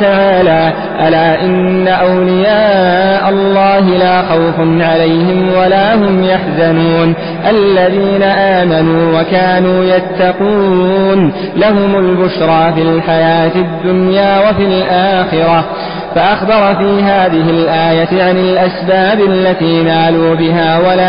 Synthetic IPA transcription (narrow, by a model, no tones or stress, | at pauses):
t̪aʕaːlaː | ʔalaːʔɪnːaʔawlɪjaːʔalˤːɑːɦɪlaːxawfʊnʕalajhɪmwalaːɦʊmjaħzanuːn | ʔallːaðiːnaʔaːmanuːwakaːnuːjat̪ːɑquːn | laɦʊmʊlbʊʃɾˤɑːfilħajaːt̪ɪd̪ːʊnjaːwafilʔaːxɪɾˤɑ | faʔaxbɑɾˤfiːɦaːðɪɦɪlʔaːjat̪ɪʕanɪlʔasbaːbalːat̪iːnaːluːbɪɦaːwalaː